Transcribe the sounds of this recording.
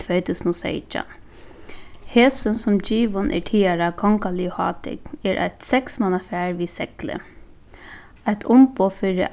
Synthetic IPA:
t̪ʰʋeːt̪ʰʉːsnɔsḛɪt͡ʃa̰ | heːsənsʊmd͡ʒiːʋənʔɛ̰ʈʰiːaɾakʰɔŋkalɪhɑ̰ːt̪ɪ̰kɛɾʔa̰t̪sɛksmanafæːɹʋiːsɛklə̰ | aɪt̪ʰʊmpoːfɪɾɪ̰

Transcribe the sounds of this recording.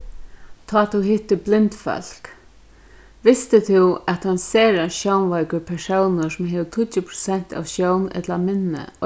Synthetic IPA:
t̪ʰɔːt̪ʰuɦɪht̪ːəblɪnt̪fœ̰l̥k | ʋɪst̪ɪt̪ʰɪwɛt̪hanseːɾaʃjownʋajkəɾpʰɛʂownəsʊmɦeːʋət̪ʰʊtːɪpʰɾʊ̥sɛn̥t̪a̰ʋʃjownɛ̰t̪lamɪnːə̰ɔ

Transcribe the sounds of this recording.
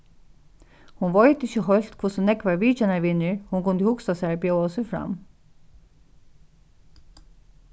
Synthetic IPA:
hʊnʋɔʏd̪ɪçəɦɔjl̥t̪kʰvʊsɔnɛkʋaɹʋiːt͡ʃanaɹʋɪnɪɹhʊnkʊnd̪əhʊksasæɹbjowɔsɔfɾa̰m

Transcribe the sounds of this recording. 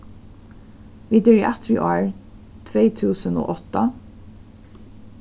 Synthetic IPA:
ʋiːd̪əɹiʔæt̪ʰɹiʔɑːɹ | t̪ʰʋeɪt̪ʰʉːsəno̰ːʔɔt̪ə

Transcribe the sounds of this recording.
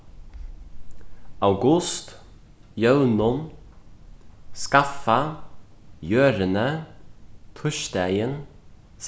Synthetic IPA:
ɑʉɡʉst̪ | jœʉnʊn | skɑfɑ | jøːɾənə | t̪ʰʊʃd̪æɪən | s

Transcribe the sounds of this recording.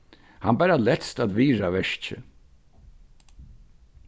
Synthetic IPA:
hanbaɾalɛt̪st̪at̪ʋiːɾaʋɛʂt͡ʃɪ̰

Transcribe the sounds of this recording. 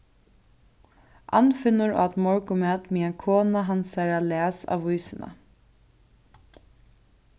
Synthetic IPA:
ʔa̰nfɪnʊɹa̰ːt̪mɔɹkʊmɛːt̪miːakʰoːnaɦansaɾalæːsa̰ːʋvujsɪna̰

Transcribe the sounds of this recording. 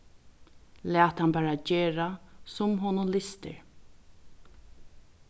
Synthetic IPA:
læːt̪hanbæːɹad͡ʒeːɹasʊmɦɔːnʊlɪst̪ə̰ɹ

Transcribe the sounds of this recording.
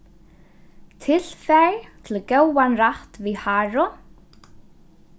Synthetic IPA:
t̪ʰɪl̥fajt̪ʰɪlcowːanraht̪vɪhaːɾɔ

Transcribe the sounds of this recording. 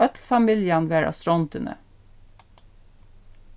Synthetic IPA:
œt̪lfɑmɪljɑnʋæːɹʔɑ̰st̪ɾɔnt̪ʰʉnə̰

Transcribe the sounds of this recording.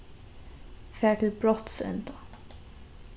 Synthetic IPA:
fæːʈlbɹɔt̪sɛ̰nt̪ɑ

